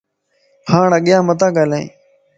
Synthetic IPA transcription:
pʰaːɳəɠjãːmət̪ãːɡaːlãĩː

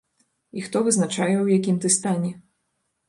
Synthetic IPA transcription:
ixt̪ɔvɨznat͡ʂajɛwjakʲimt̪ɨst̪anʲɛ

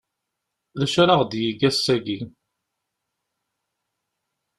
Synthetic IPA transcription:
ðəʃɾɑʁd̪jiɡæsːæɡi

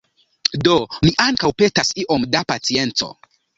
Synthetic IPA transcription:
do̞miʔaŋkawpe̞tasiʔo̞mdapat͡sie̞nt͡so̞̰

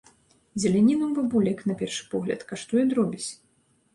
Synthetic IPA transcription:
zʲɛlʲanʲinumbabulʲɛknɐpʲɛrʂɨ̥pɔɣlʲɐ̰t̪kaʂt̪ɔjɔnɾɔbʲit͡sʲ

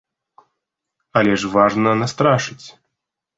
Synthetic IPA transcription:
ɐlʲɛʂvaʐnɐnast̪ɾaʂɨt͡sʲ

